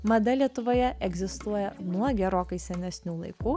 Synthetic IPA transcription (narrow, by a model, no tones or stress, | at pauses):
mɐd̪ɐlʲiɛt̪ʊʋoːjɛɛɡzʲɪst̪uɔjɛnuɔɡʲɛɾoːkɐɪsʲɛnʲɛsʲnʲuːlˠɐɪkuː